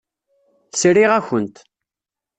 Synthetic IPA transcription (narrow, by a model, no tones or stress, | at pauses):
θsɾiʁæçənt̪